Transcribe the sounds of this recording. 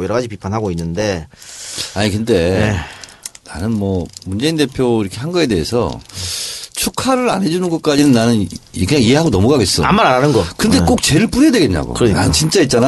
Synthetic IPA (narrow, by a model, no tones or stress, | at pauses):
jʌɾʌɡad͡ʑipipʰanɦaɡoinːɯnde̞ | aɲikɯnde̞e | na̰nɯnmwʌmund͡ʑe̞inde̞pʰjoiɾʌkʰeɦanɡʌe̞deɦesʰʌ̰ | t͡ɕʰukʰaɾɯɾanɦe̞d͡ʑunɯnɡʌt̚k͈ad͡ʑinɯnːanɯnkɯɲaŋiɦe̞ɦaɡonʌmuɡaɡes͈ʌa̰mːaɾaɾanɯnɡʌkɯnde̞k͈ok̚t͡ɕe̞ɾɯɭp͈uɾeadwe̞ɡe̞ɲɲa̰ɡo̰kɯna̰t͡ɕint͡ɕ͈ait̚t͡ɕ͈ana